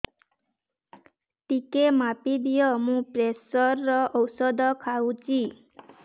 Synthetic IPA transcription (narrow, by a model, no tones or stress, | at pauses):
ʈikemapid̪ijɔmũpɾesɔɾːɔʔɔwsɔd̪ʱɔkʰaw̃t͡ʃʰi